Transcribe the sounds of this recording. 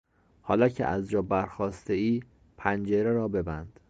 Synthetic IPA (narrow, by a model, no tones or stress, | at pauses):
hɒːlɒcʰḛʔæzd͡ʒɒːbæɾxɒːst̪eiː | pʰænd͡ʒeɾeɾɒːbe̞bænd̪̥